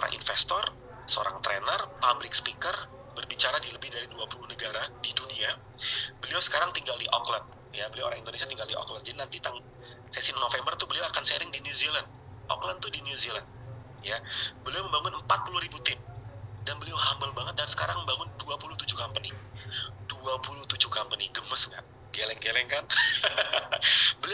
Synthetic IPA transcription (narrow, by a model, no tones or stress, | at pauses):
ʔoɾa̰ŋʔḭnfɛst̪ɔr | səo̰ɾa̰ŋt̪ɾɛnərpablɪkspikər | bərbit͡ʃaɾadiləbɪhdaɾiduapulunəɡaɾadidunia | bəliawsə̥kaɾaŋt̪iŋɡaldiʔɔkland̚ | jabəliawʔoɾaŋindonesiat̪iŋɡaldiʔɔ̰kland̚d͡ʒadinant̪it̪aŋ | sɛsɪnːofɛmbərt̪ubəliawakansɛɾɪŋdiniuziland̚ | ʔɔ̰klant̪udiniuziland̚ | jabəliawməmbaŋʊnəmpat̪̚puluɾibut̪ɪmdanbəliawɦambəlbaŋət̪̚dansə̥kaɾaŋməmbaŋʊnduapuluht̪ud͡ʒukampənind̥uapulut̪ud͡ʒukampəniɡəməsŋa̰ʔ | ɡelɛŋɡelɛŋkan | bəli